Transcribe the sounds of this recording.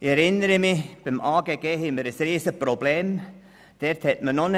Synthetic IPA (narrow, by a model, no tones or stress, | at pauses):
ɪɛɾɪnəɾəmɪb̥ɪmʔaːɡeɡeːɦɪməɾəsɾiːsəprobleːm | d̥ɛɾthɛtmənon